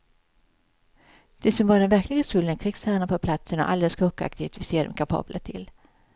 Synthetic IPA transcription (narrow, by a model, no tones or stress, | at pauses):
d̪̥ɛsɔmvɑɖ̪ɛnvæɾklɪɡaskɵld̪ənkʰɾɪɡsæːɳapʰɔpʰlat̪sənɔ̰ʔa̰ld̪ɛlskʰɔkːa̰k̚t̪ɪt̪vɪseːd̪ɔ̰mkʰapʰɑ̰ːblʔət̪ʰɪ̰l